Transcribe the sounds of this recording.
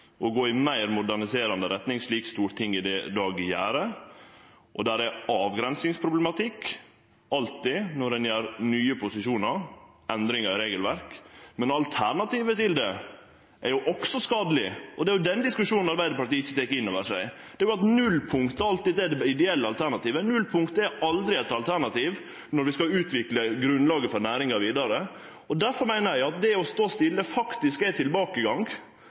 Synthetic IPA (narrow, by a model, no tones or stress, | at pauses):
ʔɔɡoːɪmæɪɾmʊd̪æɳɪseːɾɑnd̪əɾɛt̪nɪŋʂɭiːkst̪uːɾt̪ʰɪŋːɪd̪ɛd̪ɑːɡjæ̰ːɾə | ʔɔd̪æɾæɑːʋɡɾɛnsɪŋspʰɾʊblɛmɑt̪ʰɪkː | ɑlt̪ɪnɔɾɛnjæːɾnyːəpʰʊsɪʂuːnəɾ | ɛnd̪ɾɪŋɑɾɾeːɡəlʋæɾkmɛnɑlt̪ʰæɳɑt̪iːʋət̪ɪld̪ɛ | ʔæɾjʊʔɔksɔskɑːd̪əlɪɔd̪ɛæɾjʊd̪ɛnd̪ɪskʉʂuːnn̩ɑɾbæɪd̪əɾpɑʈ̪iːɪçːət̪eːkɪnːoːʋəʂæ̰ɪ | d̪ɛæɾjʊɑt̪nʉlːpʰʊŋkt̪əɑlt̪iːd̪ɛɖ̪ɛɪd̪ɛɛlːəɑlt̪ʰæɾɳɑt̪iːʋənʉlpʰʊŋkt̪əɛɾɑld̪ɾɪɛt̪ɑlt̪ʰæɳɑt̪iːʋ | nɔɾʋɪskɑʉːt̪ʋɪkləɡɾʉnlɑːɡəfɔɾnæːɾɪŋɑɾʋiːd̪ɑɾə | ɔd̪æɾfɔɾmæɪnəɾjæɪɑt̪̚d̪ɛɔst̪oːst̪ɪlːəfɑkt̪ɪskɛt̪ʰɪlbɑːkəɡɑŋɡ